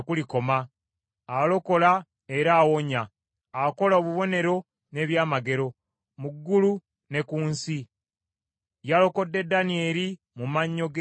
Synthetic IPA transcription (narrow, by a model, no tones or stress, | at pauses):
kuliko̞ma | alo̞ko̞la | e̞ɾaːwo̞ɲaː | ko̞laoβuβo̞ne̞ɾo̞ | ne̞ːβjaːmaɡe̞ɾo̞ | muɡːulu | ne̞kuːnsi | jalo̞ko̞dːe̞dːanie̞ːɾi | mumaɲːo̞ɡ